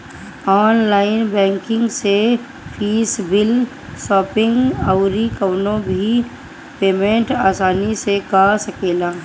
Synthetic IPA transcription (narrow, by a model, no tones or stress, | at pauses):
ɔːnlaːɪnbɛ̃ːŋkɪ̃ŋɡse | fʰiːsbɪl | sɔːpɪ̃ŋɡəʊɾikəwnõbʱi | peːmẽɳʈaːsaːnisekasəkeːlaː